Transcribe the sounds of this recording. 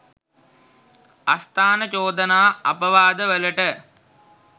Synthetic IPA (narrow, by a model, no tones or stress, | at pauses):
ɐst̪ʰaːnɐt͡ʃoːd̪ɐnaːɐpɐʋaːd̪əʋəlɐʈə